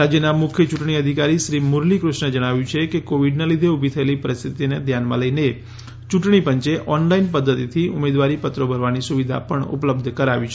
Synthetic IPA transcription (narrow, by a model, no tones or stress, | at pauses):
ɾad͡ʒjənamʊkʰjət͡ʃuʈɳ̃iəd̪ʱikaɾiʃɾimʊɾlikɾʊʃɳəd͡ʒəɽ̃aʋjũt͡ʃʰekekoʋiɖnelid̪ʱeubʱit̪ʰəelipəɾist̪ʰit̪ined̪ʱjanmã̰ləine | t͡ʃũʈɳ̃ipəɲt͡ʃeʔɔnlainpəd̪ːət̪it̪ʰiʊmed̪ʋaɾipət̪ɾobʱəɾʋanisuʋid̪ʱa̰pəɳʊ̰pləb̚d̪ʱkəɾaʋit͡ʃʰe